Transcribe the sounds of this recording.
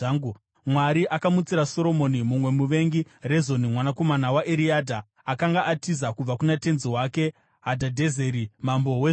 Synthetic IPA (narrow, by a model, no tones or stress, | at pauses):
ŋu | mwaɾiʔakamut͡siɾaso̞ɾo̞mo̞nimumwe̞muʋe̞ŋɡire̞zo̞nimwanako̞manawaʔeɾiadʱaː | kaŋɡaʔatizakub͡vakunate̞nziwake̞ | ɦadʱadʱe̞zeɾimambo̞we